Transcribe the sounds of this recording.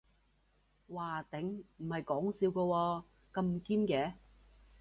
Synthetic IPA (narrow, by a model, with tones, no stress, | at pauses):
waː˨˩t̪ɪ˨˥ŋm̩˨˩hɐ˨jkɔː˨˥ŋsiː˧wkɔː˧wɔː˧ | kɐ˧mkiː˥nkɛː˨˥